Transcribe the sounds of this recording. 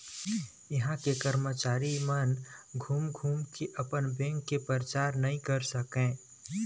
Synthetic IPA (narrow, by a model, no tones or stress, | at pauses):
jəɦãkekəɾmət͡ʃaːɾimənɡʱuːmɡʱuːmkʰeʔəpənbẽːŋkːepəɾt͡ʃaːɾnɐɦĩkəɾsəkẽː